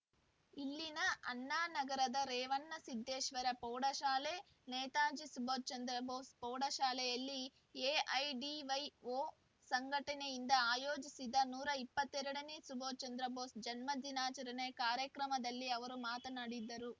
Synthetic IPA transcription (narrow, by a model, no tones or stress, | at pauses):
ilːinɐɐnːaːnɐɡɐɾɐd̪ɐɾɛːʋɐnːɐsid̪ʱːeːʃʋɐɾɐpɔːɽɐʃaːleː | nɛːt̪aːɲd͡ʒisuboɾt͡ʃɐnd̪ɾɐboːspɔːɽɐʃaːlejɐlːi | eːʔɐjɖiʋɐjoː | sɐŋɡʱɐʈɐneind̪ɐaːjoːd͡ʒisid̪ːɐnuːɾɐipːɐt̪ːɛɾɐɽɐnisuboːt͡ʃɐnd̪ɾɐboːsd͡ʒɐnmɐd̪inaːt͡ʃɐɾɐneːkaːɾjɐkɾɐmɐd̪ɐlːiɐʋɐɾumaːt̪ɐnɐɽid̪ːɐɾu